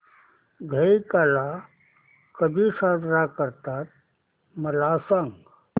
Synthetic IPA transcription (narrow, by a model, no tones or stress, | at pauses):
ɡʱəikaːla | kəbʱisad̪ɾakəɾt̪at̪̚ | məlasəŋɡ